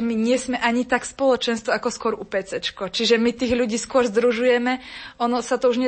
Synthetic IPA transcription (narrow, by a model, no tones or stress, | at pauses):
miɲɪɛsmɛʔaɲit̪akspɔlɔt͡ʃɛnst̪ʋɔakɔskʊɔɾupɛt͡sɛt͡ʃkɔt͡ʃiʒɛmit̪iːɣʎuɟiːskʊɔɾzd̪ɾuʒujɛmɛɔnɔsat̪ɔuʒɲɛ